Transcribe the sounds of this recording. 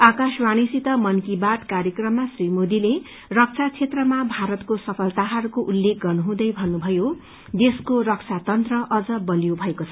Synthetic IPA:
akaswanisit̪ʌmʌnkibaʈ̪kaɾjekrʌmːasrimod̪ile | rʌk̚t͡sʰat͡sʰet̪rʌmabʱaɾʌt̪kosʌpʰʌlt̪aɦʌɾukoʔulːek̚ɡʌrnuɦũd̪ʌjbʱʌnːubʱʌjo | d̪eskorʌk̚t͡sʰat̪ʌnt̪rʌʔʌd͡zʌbʌlijobʱʌekot͡sʰʌ

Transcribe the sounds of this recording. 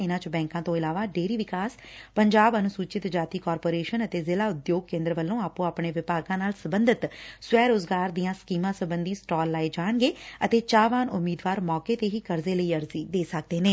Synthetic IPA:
ɪnãːt͡ʃbɛ̃ːŋkãːt̪õːɪlaːʋaːɖeːɾiːʋɪkaːs | pəɲd͡ʒaːbənũːsuːt͡ʃɪt̪d͡ʒaːt̪iːkɔːɾpoːɾeːʃənət̪eːzɪlaːʊd̪joːɡ̚kẽːnd̪ɾəʋəlːõːaːpũːaːpɳeːʋɪpaːɡãːnaːlsəbənd̪ət̪sʋɛːɾoːzɡaːɾd̪ijãːskiːmãːsəbənd̪iːsʈɔːlːaːeːd͡ʒaːɳɡeːət̪eːt͡ʃaːʋaːnʊmːiːd̪ʋaːɾmɔːkeːt̪eːɦiːkəɾzeːləiːəɾziːd̪eːsək̚d̪eːneː

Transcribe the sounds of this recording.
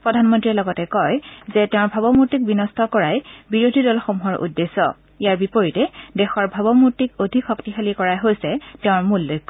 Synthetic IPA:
pɹɔdʱanmɔntɹilɔɡɔtɛkɔjzɛtɛʊ̃bʱabɔmuɹtik̚binɔstʰɔkɔɹajbiɹodʱidɔlxomuɦɔɹʔṵdːesːɔ̰ | ijaɹbipɔɹitɛdɛxɔɹbʱabɔmuɹtikodʱikxɔktixalikɔɹajɦojsɛtɛʊ̃ɹmulːokː

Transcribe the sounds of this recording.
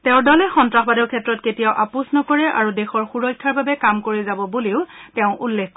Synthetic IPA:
tɛʊ̃ɹdɔlɛxɔntɹaxbadɔɹkʰɛtɹɔtketijawʔapusnɔkɔɹɛʔa̰ɹudexɔɹxuɹɔjkʰːaɹbabɛkamkoɹɛzabɔboleʊtɛʊ̃ʔulːekʰk

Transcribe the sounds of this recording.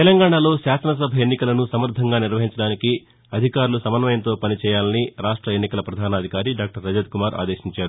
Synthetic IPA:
t̪ɛlɐŋɡaːɳaːlo̞ːʃaːsɐnɐs̬ɐbʱɐenːikɐlɐnusɐmɐɾd̪ʱɐŋɡaːniɾʋɐɦiɲt͡ʃɐɽaːniki | ɐd̪ʱikaːɾulusɐmɐnɐmɐjɐnt̪o̞ːpɐnit͡ʃɛːjaːlɐniɾaːʂʈɾɐenːikɐlɐpɾɐd̪ʱaːnɐd̪ʱikaːɾiɖaːk̚ʈɐɾːɐd͡ʒɐd̪̚kumaːɾʔa̰ːd̪e̞ːʃiɲt͡ʃaːɾu

